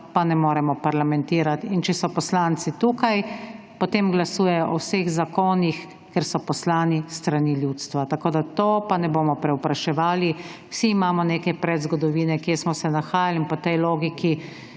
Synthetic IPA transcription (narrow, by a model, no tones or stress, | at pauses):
panɛmoːɾɛmɔpaɾlamɛnt̪iːɾat̪int͡ʃɛsɔpɔslaːnt̪sit̪uːkaj | pɔt̪eːmɡlasuːjɛjɔʔɔwseɣzakoːnix | kɛɾsɔpɔslaːnist̪ɾaniːljuːt̪st̪ʋat̪akoːd̪at̪opanɛboːmɔpɾɛupɾaʃɛʋaːliwsiːmaːmɔneːkɛpɾɛd̪zɡɔd̪ɔʋiːnɛkesmɔsɛnaxaːjalinpɔt̪ɛjloːɡiki